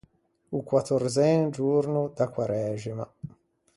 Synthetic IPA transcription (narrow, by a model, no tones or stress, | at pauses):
ukwat̪ːoɾzɛnd͡ʒurnud̪akwaɾɛːʒima